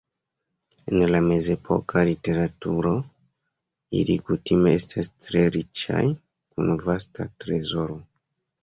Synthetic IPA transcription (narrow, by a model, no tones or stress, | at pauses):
e̞nlame̞ze̞pʰo̞̰kʰalite̞ɾatuɾo̞ | ḭlikutime̞estʰastɾe̞ɾit͡ʃa̰j | kunvastatɾe̞zo̞ɾo̞